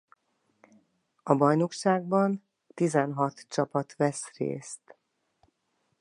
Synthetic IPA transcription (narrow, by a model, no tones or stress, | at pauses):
ɒbɒjno̞kʃaːɡ̚bɒn | t̪izɛnɦɒt̪t͡ʃɒpɒt̪vɛsrḛːst̪